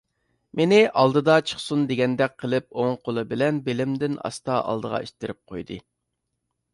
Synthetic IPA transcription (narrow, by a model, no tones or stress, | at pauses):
menɪʔɑlˠd̪ɨd̪ɑt͡ʃʰə̥χsund̪eɡʲɛnd̪ɛk̚ʲqʰəlˠɪp̚oŋqʰolˠɨbɪlɛnbelɪmd̪ɪnɑ̰st̪ɑʔɑ̰lˠd̪əʁɑ̰ḛʃt̪ɪɾɪp̚qʰojd̪ɨ